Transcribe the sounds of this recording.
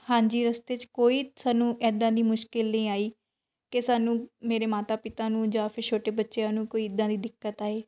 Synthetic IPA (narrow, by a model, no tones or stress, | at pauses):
hãːɲd͡ʒiːɾəst̪eːt͡ʃkoːiːsaːnũːʔɛːd̪ãːd̪iːmʊʃkɪlnĩːaːiː | kesaːnũːmeːɾeːmaːt̪aːpɪt̪ãːnũːd͡ʒaːpʰɪɾt͡ʃʰoːʈeːbətːʃejãːnũːkoːiːɪd̪ːãːd̪iːd̪ɪkːət̪aːeː